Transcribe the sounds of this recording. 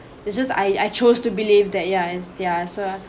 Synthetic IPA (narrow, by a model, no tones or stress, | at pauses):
ɪsd͡ʒʌsa̰jajt͡ʃostubilivdɛt̚jaɪsjaso